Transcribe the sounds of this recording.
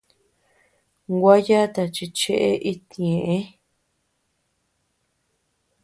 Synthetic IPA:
ɡʷa˦ja˦t̪a˧t͡ʃi˧t͡ʃe˦ʔe˦ʔi˦t̪ĩ˨ẽ˨ʔẽ˦

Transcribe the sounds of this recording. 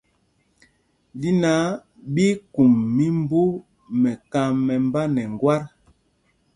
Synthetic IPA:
di˦na˨˦ | bi˦ku˨mːi˦mbu˦ | mɛ˨ka˨mɛ˨mba˦nɛ˨ŋ˨ɡwa˦ɾ

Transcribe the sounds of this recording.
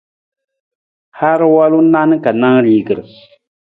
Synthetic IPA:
ha˦ɾɨ˦wa˦lu˦na˦nɨ˦ka˨na˦ŋɾiː˦ɡɨ˨ɾɨ˨

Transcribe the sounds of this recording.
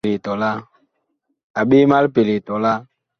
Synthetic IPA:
li˨tɔ˨la˦ | a˨ɓe˦ma˦lpe˨li˨tɔ˨la˦

